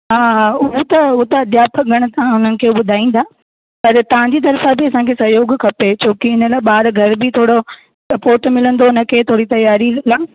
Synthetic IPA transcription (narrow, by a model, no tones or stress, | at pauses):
ɦaːɦʊɦot̪ɐʊɦt̪ɐɐd̪jaːpəɡɐɽ̃̆t̪ãʊnənɪ̆kʰeːɓʊd̪ʱaːĩːn̆d̪ʰaː | pɐɾt̪ɐʋ̤ãɲd͡ʑiːt̪ɐɾfabɪɐsãkʰeːsɐɦjoːɡkʰɐpet͡ɕʰoːkiɪnəlaːɓaːɾɡʱɐɾbɪt̪ʰoːɽo | ɐpoːʈmɪlə̃nd̪oʊnəkʰeːt̪ʰoːɽit̪ɐjaːɾilãː